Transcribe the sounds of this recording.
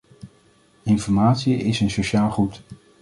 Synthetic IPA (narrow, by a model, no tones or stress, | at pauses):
ɪnfɔɹmaːtsiɪsənsoʃaːlˠχut